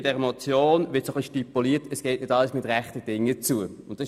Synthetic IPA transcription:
d̥ɛʁəmot͡sjoːnʋɪɐtsoχliʃtipuliːətəsɡ̥ɛːtnɪdɑləsmɪtʁɛχtəd̥ɪŋːət͡suəʊnt̚ːɑ

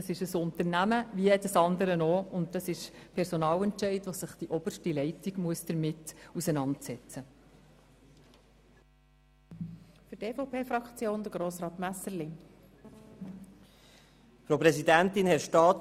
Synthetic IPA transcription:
ɑsɪʃəsʊnt̪əɾnæməʋiɛdəsɑndəɾənoːʊnt̚dɑsɪʃpʰɛɾsonɑːlɛntʃɛɪdʋosɪχd̥iʔɔb̥əɾʃtilɛɪtiɡmuəsd̥əɾmɪtusɛnɑntsɛt͡sə | fʏɾteːfopʰeːfɾɑkt͡sjoːnd̪əɡɾoːsɾɑːt̪mæsəɾlɪ | fɾopɾɛsidænt̪ɪnhɛʃtɑːt

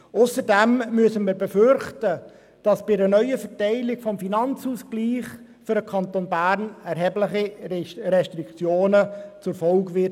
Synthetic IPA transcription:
ʔʊsəɾdɛmmyəsənməɾbɛfʏɾχtə | d̥ɑsb̥ɪənœʏəfəɾtɛɪlɪɡfɔmfinɑnt͡suːsɡ̥liːχ | fʏɾdəkʰɑntoːnbæːɾnɛɾɦɛblɪχiɾɛʃtɾikt͡sjoːnət͡sʊfɔlɡʋɪ

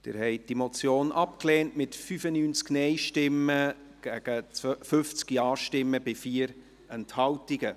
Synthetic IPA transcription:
d̥ɪ̰ɾhɛɪd̥imot͡sjoːnʔɑpkleːntmɪtfyfənyːnt͡sknɛɪʃtɪmːə | ɡ̥æɡ̥ət͡sfʏft͡skiɑːʃtɪmːəbɪfiːəɾ | ɛnthɑltiɡə

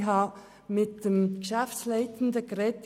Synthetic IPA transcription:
ɦɑː | mɪt̚d̥emɡ̥ʃæfslaɪtn̩dəɡɾɛt

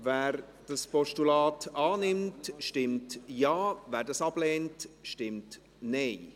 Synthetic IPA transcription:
vɛːɾ | d̥ɑspɔʃtulɑːtɑːnɪmtʃtɪmtjaːvɛːɾdɑsɑb̥lɛːntʃtɪmt | neɪ

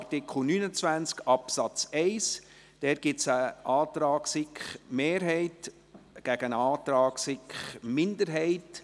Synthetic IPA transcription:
rtɪkʰl̩nynət͡svænt͡skɑpsɑt͡sɛɪs | d̥ɛːt̚ɡ̥ɪsəʔɑːtɾɑːɡsɪkχmeːɾɦɛɪt | ɡ̥æɡənɑːt̪ɾɑːksɪkχmɪndəɾɦɛɪt

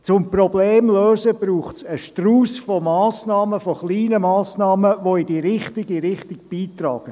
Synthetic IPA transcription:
t͡sʊmprɔbleːmløːzəb̥ɾuːχtsəʃtruːsfomɑːsnɑːməfoχliːnəmɑːsnɑːməʋoɪd̥iɾɪχtɪɡiɾɪχtɪɡ̥̚b̥iːtrɑ̰ːɡ̥ə

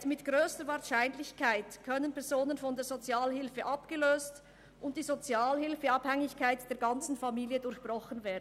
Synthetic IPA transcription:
tmɪtɡ̥ʁøːstəvaːɐʃaɪnlɪçkʰaɪtkʰœnənpɛɐzoːnənfɔndeːzot͡sjaːlhɪlfəʔɑpɡ̥əløːst | ʔʊnt̚d̥iːzot͡sjaːlhɪlfəɑphɛŋɪçkʰaɪtd̥eːɐɡɑnt͡sn̩famiːljədʊɾçb̥ʁɔχənveːɐdn̩

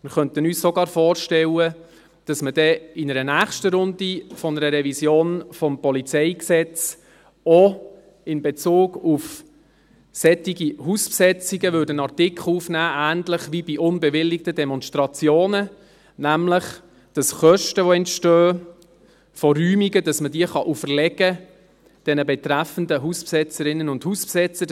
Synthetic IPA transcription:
mɪɾχœnt̪ənyːssɔɡɑːɾfɔːɾʃtɛlə | d̥ɑsməd̥ɛɪnəɾənæːχʃtəɾʊndifɔnəɾəɾɛvisjoːnfɔmpɔlit͡sɛɪksɛt͡s | ɔ | ɪnbet͡suːɡ̥uf | sɛtiɡiɦuspsɛt͡siɡəvʏːdənɑrtɪkʰlufnæːʔæːntlɪχʋibiʔʊnbɛʋɪlːik̚tədɛmɔnstʁɑt͡sjoːnə | næmlɪχ | d̥ɑsχœʃtəʋoɛntʃtøː | fɔryːmiɡədɑsmədiəχɑʔufərlɛɡ̥ə | d̥ɛnəbɛtræfən̩dəɦuspsɛt͡səɾɪnːənʊnd̥huspsɛt͡sə

